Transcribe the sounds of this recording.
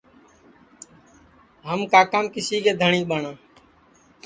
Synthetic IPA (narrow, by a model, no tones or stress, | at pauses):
ɦəmkaːkaːmkɪsiːkeːd̪ʱəɳĩːɓəɳãː